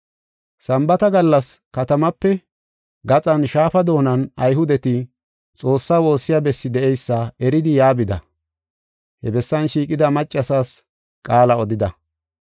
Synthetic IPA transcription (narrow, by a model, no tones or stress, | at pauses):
sɐmbɐt̪ɐɡɐlːɐskɐt̪ɐmɐpːɛ | ɡɐt͡sʼɐnʃaːfɐd̪o̞ːnɐnɐjɦʊd̪ɛt̪ɪ | t͡sʼo̞ːsːaːwo̞ːsːɪjabɛsːɪd̪ɛʔɛjsːɐɛɾɪd̪ɪjaːbɪd̪ɐ̰ | hɛbɛsːɐnʃiːkʼɪd̪ɐmɐt͡ʃʼːɐsaːs | kʼaːlɐɔd̪ɪd̪ɐ